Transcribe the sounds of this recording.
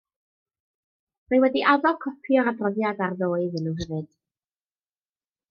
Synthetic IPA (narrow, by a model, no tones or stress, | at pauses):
mewɛdiʔaðɔkʰɔpʰjɔɾabrɔðjadarðoːɨðɨnəwvɨd̥